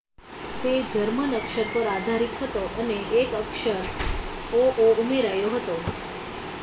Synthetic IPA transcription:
t̪ed͡ʒəɾmənəkʃəɾpəɾad̪ʱaɾit̪ɦət̪oʔəneːkəkʃəɾ | oʔoumeɾajoɦət̪o

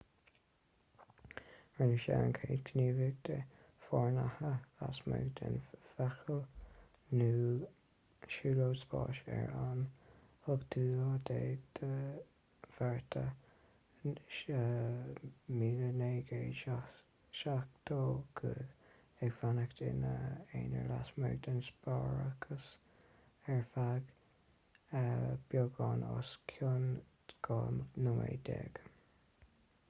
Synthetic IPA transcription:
ɹɪnəʃɛ̰ɹə̰nkʰeːdkʰəniːvɪɡ̚d̪ə | fɔɹnahəasmə̰ɡd̪ʰɪ̰nfɛxəl | nuː | ʃuːloːsbɑ̰ːʃɛ̰ɹanhʊɡd̪̥uːɑd̪eːd̪̥ə | v̥ɛɹt̪ʰə | miːləneːɡeː | ʃak̚t̪ʰoːɡ̥ʰə | ɛɡvanəkt̪ɪnəeːnəɹlasmɛɡ̚d̪ənsbɑɹaɡ̥ʰəs | ɛɹfaɡ | əb̥joɡɑːnoskʰjon | ɡ̥ɑnʊmḛːd̪ɛ̰ɡ̥

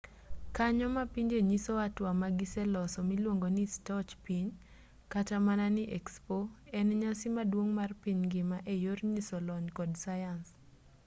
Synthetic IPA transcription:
kaɲɔmapiɲd͡ʒeɲisoatwamaɡisɛlɔsɔmilwoŋɡonistɔt͡ʃpiɲ | katamananɪʔɛkspoɛnɲasɪmadwoŋmarpiɲɡɪmaʔejorɲisolɔɲkɔdsajans

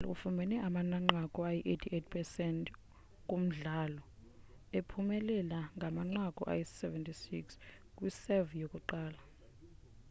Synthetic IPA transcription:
lṵfumɛnɛʔamanaŋ͡ǃakʼɔajiʔetʰiʔet̚ʰpʰɛsɛntʰʼ | kʼum̩ɮalɔ | epʰumɛlɛlaŋɡʱamaŋ͡ǃakʼɔ̰ʔa̰jissɛvɛntʰʼisiks | k̬ʼwisɛvjokʼuǃaːla

